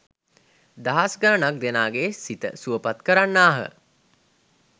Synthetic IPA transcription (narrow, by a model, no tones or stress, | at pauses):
d̪aɦasɡənənak̚d̪enaːɡeːsit̪ə̰suəpat̪kəɾanːaːɦə̰